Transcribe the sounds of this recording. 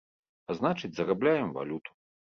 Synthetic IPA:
aznat͡ʂɨt͡sʲzɐrablʲajɛmva̰lʲut̪u̥

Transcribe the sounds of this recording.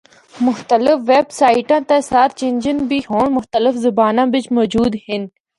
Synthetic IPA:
mʊxt̪ɐlɪfʋeːbsaːiʈãːt̪asaːɾt͡ʃend͡ʑənbiɦoːɳmʊxt̪ɐlɪfzʊbaːnãːbɪt͡ʃmoːd͡ʑuːd̪hin

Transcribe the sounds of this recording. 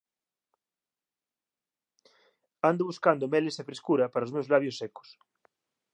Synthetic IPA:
and̪ʊβuskand̪omelesefɾeskuɾɐpaɾaozmewzlaβjosːɛko̥s

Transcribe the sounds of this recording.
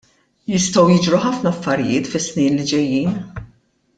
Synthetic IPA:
jɪst̪ɐwjɪd͡ʒɾuħɐfnɐɐfːɐɾɪjɪːt̪fɪsːniːnlid͡ʒɛjːiːn

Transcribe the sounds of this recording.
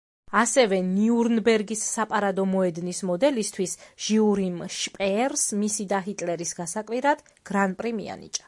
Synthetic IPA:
asɛvɛniuɾnbɛɾɡisːapʼaɾad̪ɔmɔɛd̪nismɔd̪ɛlist̪ʰwisʒ̥iuɾimʃpʼɛɾsmisid̪aɦit̪ʼlɛɾisɡasakʼwiɾad̪̥ | ɡ̥ɾanpʼɾimḭa̰nḭt͡ʃʼḁ

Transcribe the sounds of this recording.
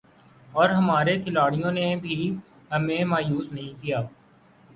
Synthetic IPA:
ɔːɾɦɐmaːɾekʰɪlaːɽijõnebʱi | ɦɐmẽmaːjuːsnɐɦĩkijaː

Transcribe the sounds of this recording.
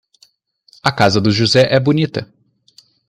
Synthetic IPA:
ɐkazɐd̪ʊʒuzɛʔɛbunit̪ɐ

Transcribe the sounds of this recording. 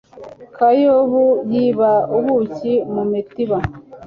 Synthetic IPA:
kajoβujiβauβucimumitiβa

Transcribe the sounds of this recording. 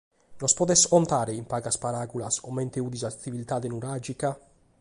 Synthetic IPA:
nospɔd̪ɛsɔnt̪aːɾeimpaːɡaspaɾaɡulasomɛnt̪euːd̪izat̪ivilt̪aːd̪enuɾad͡ʒika

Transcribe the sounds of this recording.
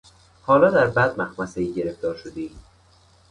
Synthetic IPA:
hɒːlɒːd̪æɾbæd̪mæxmæseiːɟe̞ɾefd̪ɒːɾʃod̪eiː

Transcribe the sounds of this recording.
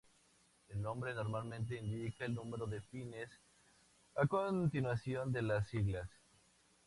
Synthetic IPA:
elnõ̞mbɾe̞no̞ɾmalmẽnt̪̬e̞ind̪ikaelnũmeɾo̞ðe̞fines | akont̪inwasjo̞nd̪e̞lasiɣlas

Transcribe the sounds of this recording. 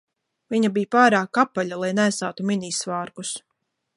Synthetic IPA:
viɲabijpaːɾaːkapːaʎalˠajnæjsaːt̪uminiːsvaːɾkus

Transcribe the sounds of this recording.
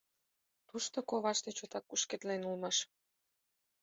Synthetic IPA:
t̪uʃt̪okoβɑʃt̪et͡ɕot̪ɑkːuʃket̪lenulmɑʃ

